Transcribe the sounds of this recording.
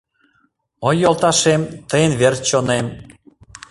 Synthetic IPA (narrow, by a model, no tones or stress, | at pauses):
ojːolˠt̪ɑʃemt̪əjənβert͡ɕonem